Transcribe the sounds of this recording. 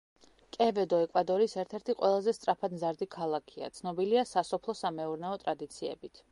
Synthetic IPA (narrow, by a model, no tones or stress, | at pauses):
kʼɛvɛd̪ɔɛkʼwad̪ɔɾisɛɾt̪ʰɛɾt̪ʰiqʼwɛlˠazɛst̪sʼɾapʰad̪mzaɾd̪ikʰalˠakʰia̰t̪sʰnɔbiliasasɔpʰlˠɔsamɛuɾnɛɔt̪ʼɾad̪it̪sʰiɛ̰bit̪ʰ